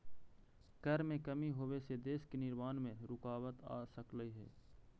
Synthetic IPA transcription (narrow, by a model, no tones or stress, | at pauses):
ɡ̥əɾmẽkəmiɦoːʋesed̪eːskenɪɾmaːnmẽɾʊkaːwət̪a̰ːsəkləiɦɛ̰ː